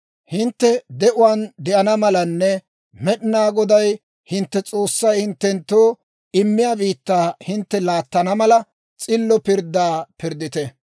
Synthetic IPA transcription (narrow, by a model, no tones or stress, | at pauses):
hɪnt̪ːɛd̪ɛʔʊwand̪ɛʔɐnɐmɐlɐnːɛ | mɛɗɪnaːɡɔd̪ɐj | hɪnt̪ːɛt͡sʼo̞ːsːɐjhɪnt̪ːɛnt̪ːoː | ɪmːɪjaːbiːt̪ːaːhɪnt̪ːɛlaːt̪ːɐnɐmɐlɐ | t͡sʼɪlːɔpɪɾd̪aːpɪɾd̪ɪt̪ɛ